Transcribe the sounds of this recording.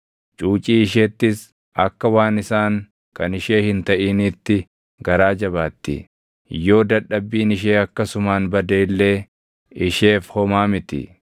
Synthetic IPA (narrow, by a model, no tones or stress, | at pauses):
t͡ʃʼuːt͡ʃʼiːɪʃ̬eːt̪ːɪs | ɐkːɐwaːnɪsaːŋ | kɐnɪʃe̞ːhɪnt̪ɐʔiːnɪt̪ːɪ | ɡɐɾaːd͡ʒɐβaːt̪ːɪ̰ | jo̞ːd̪ɐᶑːɐbːiːnɪʃ̬eːɐkːɐsʊmaːnbɐd̪eːlːe̞ː | ɪʃe̞ːfhɔmaːmɪt̪ɪ̰